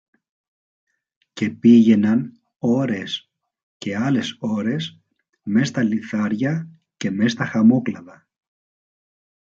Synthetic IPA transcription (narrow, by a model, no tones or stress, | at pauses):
ce̞piʝe̞nɐn | o̞ɾe̞s | ce̞ɐle̞so̞ɾe̞s | me̞st̪ɐliθɐɾʝɐ | ce̞me̞st̪ɐxɐmo̞klɐðɐ